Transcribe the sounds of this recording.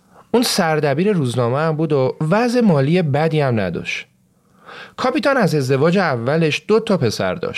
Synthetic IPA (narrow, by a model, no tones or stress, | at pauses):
unsæɾd̪æbiːɾe̞ɾuːznɒːmeæmbuːd̪ovæzemɒːliːje̞bæd̪iːæmnæ̰d̪ɒ̰ʃt̪ | kʰɒːpiːt̪ɒnæze̞zd̪e̞vɒːd͡ʒeævːæle̞ʃd̪̥ot̪ʰɒːpʰe̞sæ̰ɾd̪ɒ̰ːʃ